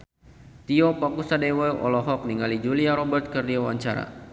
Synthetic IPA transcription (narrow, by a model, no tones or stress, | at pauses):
t̪iɔpɔkusadewɛʔɔ̰lɔɦɔk̚niŋalid͡ʒuliaɾɔbərt̪̚kərdiawa̰ɲt͡ʃaɾa̰